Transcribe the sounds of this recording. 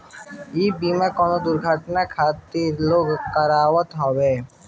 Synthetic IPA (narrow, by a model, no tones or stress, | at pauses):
iːbiːmekɔːnod̪ʊɾɡʱəʈnakʰaːt̪iɾloːɡkəɾaːʋət̪ɦɔweː